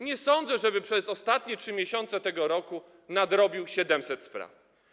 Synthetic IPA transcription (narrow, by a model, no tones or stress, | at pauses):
ɲɛsɔnd̪zɛʐɛbɘpʂɛzɔst̪at̪ɲɛtʂɘmʲjɛɕɔnt̪sɛt̪ɛɡɔɾɔku | nad̪ɾɔbʲiwɕɛd̪ɛmsɛt̪spɾa̰f